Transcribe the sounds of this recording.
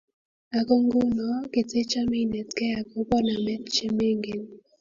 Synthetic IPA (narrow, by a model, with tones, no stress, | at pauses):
a˨ko˦ŋɡʊ˦nɔ˨˦ke˨te˦t͡ʃa˦mi˦˨nɛ˨tkɛ˦a˨ko˨˦pɔ˦na˨mɛ˦t̚t͡ʃe˦me˦ŋɡe˨n